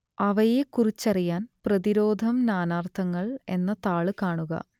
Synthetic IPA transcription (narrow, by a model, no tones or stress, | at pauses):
ɐʋɐjekurit͡ɕːɐrijaːnprɐðiɾo̞ːd̪ʱɐmnaːnaːrt̪ʰɐŋːɐɭe̞nːɐt̪aːɭɨkaːɳuɣɐ̰